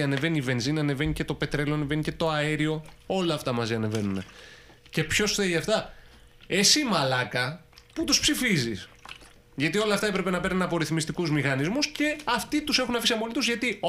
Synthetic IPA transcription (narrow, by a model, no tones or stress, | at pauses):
ɐne̞ve̞niːve̞nzinɐne̞ve̞nice̞t̪ope̞t̪ɾe̞loɐne̞ve̞nice̞t̪o̞ɐeɾio̞o̞lɐːft̪ɐmɐziɐne̞ve̞nune | ce̞pço̞sθeiʝɐft̪ɐ | esimɐlɐkɐ | put̪uspsifizis | ʝɐt̪io̞lɐft̪ɐe̞pɾe̞pe̞nɐpe̞ɾnenɐpo̞ɾiθmist̪ikuzmixɐnizmusce̞ɐft̪it̪use̞xunɐfisɐmo̞lit̪uzʝɐt̪i